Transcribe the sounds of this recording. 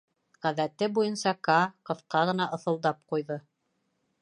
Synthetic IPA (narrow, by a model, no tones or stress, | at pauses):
ʁæðæt̪ɘbujɤnsɑkɑqɤ̆θqɑʁɤ̆nɑʔɤ̆θɤ̆lˠd̪ɑp̚qujðɤ